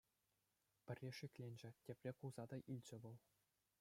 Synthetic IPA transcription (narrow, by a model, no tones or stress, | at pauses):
pʲɘ̆rʲːeʂɘkʲlʲenʲd͡ʑɘ̆tʲepʲrʲekulzɑd̪ɑʔilʲd͡ʑɘ̆ʋɤ̆lˠ